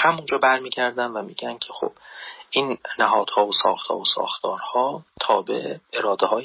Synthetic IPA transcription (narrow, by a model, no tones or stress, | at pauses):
hæmund͡ʒɒːbæɾmiːɟæɾd̪ænvæmiːɟæncʲʰexo̰b̥ʔiːnnæɦɒːd̪̥hɒːvosɒ̰ːxt̪hɒ̰ːosɒ̰ːxt̪ʰɒːɾhɒːt̪ʰɒːbḛʔeɾɒːd̪ehɒːj